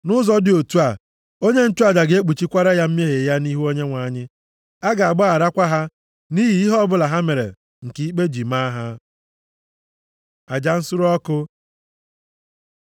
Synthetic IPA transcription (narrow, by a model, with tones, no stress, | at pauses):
nʊ˦zɔ˦dɪ˨o˨tu˦a˨ | o˦ɲe˦n̩˦tu˦a˨d͡ʒa˨ɡe˦k͡pu˨t͡ʃi˦kʷa˦ɾa˦ja˦m̩˦m˦e˦ɦe˨ja˦ni˦ɦu˦o˦ɲe˦ŋʷa˨˦˨ɲɪ˦ | a˦ɡa˨a˨ɡ͡ba˦a˨ɾa˦kʷa˦ɦa˦ | ni˦ɦi˨i˦ɦɔ˦bʊ˦la˨ɦa˦me˨ɾḛ˨ | ŋ̩˨ki˨i˦k͡pe˦d͡ʒi˨ma˦ɦa˦ | a˨d͡ʒa˨n̩˦sʊ˦ɾɔ˦kʊ˦